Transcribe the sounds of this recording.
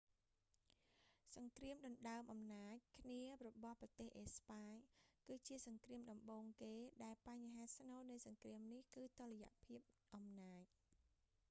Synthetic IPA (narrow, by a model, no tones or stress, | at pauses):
sɑŋkriəmɗɑnɗaəmʔɑmnaːc̚kʰniərɔɓɑhprɑt̪eːhʔeːspaːɲkɨːt͡ɕiəsɑŋkriəmɗɑmɓoːŋkeːɗaɛlpaɲɦaːsnoːnɨjsɑŋkriəmnihkɨːt̪oləja̰ʔpʰiəp̚ʔɑmnaːc̚